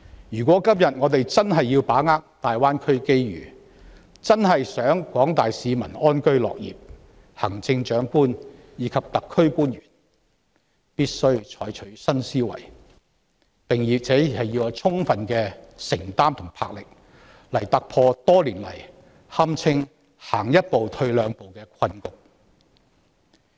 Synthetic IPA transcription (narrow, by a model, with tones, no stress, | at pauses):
jyː˨˩kwɔː˨˥kɐ˥mjɐ˨t̚ŋɔː˨˧t̪e˨jt͡sɐ˥nɦɐ˨jːiː˧wpaː˨˥ŋaː˥k̚t̪aː˨jwaː˥nkʰɵ˥ɥke˥jɥyː˨˩ | t͡sɐ˥nɦɐ˨jsœː˨˥ŋkwɔː˨˥ŋt̪aː˨jsiː˨˧mɐ˨˩nɔː˥nkɵ˥ɥlɔ̰ː˨k̚jḭː˨˩p̚ | hɐ˨˩ŋt͡sɪ˧ŋt͡ʃœː˨˥ŋkuː˥n | jiː˨˥kʰɐ˨p̚t̪ɐ˨kʰːɵ˥ɥkuː˥njyː˨˩n | piː˥t̚sɵ˥ɥt͡ʃʰɔː˨˥jt͡ʃʰɵ˨˥ɥsɐ˥nsiː˥wɐ̰˨˩j | pɪ˨ŋjiː˨˧k̚t͡sɛː˨˥˨hɐ˨ji˧wt͡sʰʊ˥ŋfɐ˨nkɛː˧sɪ˨˩ŋt̪aː˥mt̪ʰʊ˨˩ŋpʰaː˧k̚lɪ˨k̚ | lɐ˨˩jt̪ɐ˨k̚pʰɔː˧t̪ɔː˥liː˨˩nlɐ̰˨˩j | hɐ˥mt͡sʰɪ˥ŋ | haː˨˩ŋjɐ˥t̚po˨wt̪ʰɵ˧ɥlœː˨˧ŋpo˨wkɛː˧kʰɐ˧nkʊ˨k̚